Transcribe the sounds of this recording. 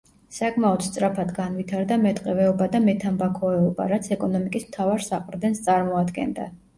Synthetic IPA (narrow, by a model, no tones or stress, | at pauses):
sakʼmaɔt̪st̪sʼɾapʰad̪ɡanvit̪ʰaɾd̪amɛt̪ʼqʼɛvɛɔbad̪amɛt̪ʰambakʰɔɛɔba̰ɾat̪sʰɛkʼɔnɔmikʼismt̪ʰavaɾsaqʼɾd̪ɛnst̪sʼaɾmɔad̪ɡɛ̰nd̪a̰